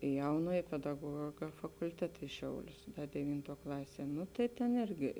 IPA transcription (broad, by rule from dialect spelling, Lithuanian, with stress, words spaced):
ɪ ˈjɛʊnuɔj pʲɛdɐˈɡuɔɡɐ fɐkʊlʲˈtʲæːtɐ ɪ ˈʃʲɛʊlʲʊs dʲɛˈʋʲiːntuɔ ˈklˠɑːsʲiɛ ˈnʊ tɐɪ tʲeːn ˈɪrʲɡʲɪ